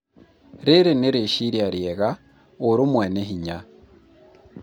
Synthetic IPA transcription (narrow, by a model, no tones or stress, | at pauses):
ɾeɾeneɾeʃiɾjaɾjeɣa | uɾumweneɦiɲa